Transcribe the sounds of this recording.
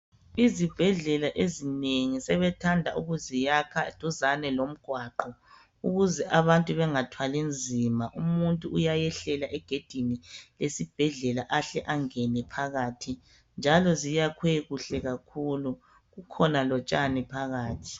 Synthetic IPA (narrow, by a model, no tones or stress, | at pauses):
izib̥ʱɛɮɛlaʔezineŋisɛβɛtʰandʱaʔuɣuzijakʰad̥ʱuzanɛlom̩ɡ̥ʱwaǃɔ | uɣuzɛʔaβantʼuβɛŋatʰwalind͡zʱimaʔumuntʼuʔːjajɛɬɛlaʔɛɡ̥ʱed̥ʱinilesib̥ʱɛɮɛlaʔaɬɛʔaŋɛnɛpʰaɣatʰi | nd͡ʒʱalɔzijakʰweɣuɬɛɣakʰulu | ɣukʰɔnalɔt͡ʃʼanɛpʰaɣaːtʰi̥